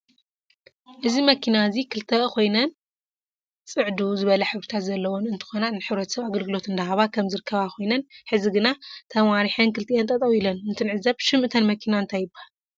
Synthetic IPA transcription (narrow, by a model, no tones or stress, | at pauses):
ʔɨzimɐkʰinazikʰɨlt̪ʰɐkʰo̞jnɐn | t͡sʼɨʕd̪uzɨβɐlɐħɨβɾit̪ʰat̪zɐlːɐwonɨnt̪ʰɨ̥xo̞nanɨħɨβɾɐt̪ʰɐ̥sɐβaɡɐlɡɨlo̞t̪ɨnd̪ɐɦaβakʰɐmzɨɾɨkːɐβakʰo̞jnɐnħɨziɡɨnat̪ʰɐmaɾiħɨnkɨlt̪ʰijent̪ʼɐt̪ʼɐwilɐnːɨnt̪ʰɨnʕɨzaβʃɨmʔɨt̪ʰɐnmɐkʰinaɨnt̪ʰajːɪbahal